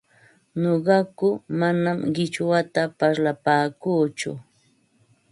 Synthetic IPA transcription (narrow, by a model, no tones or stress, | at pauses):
noɢɑkʊmanamɢɪt͡ʃwat̪apaɾlapaːkuːt͡ʃʊ̰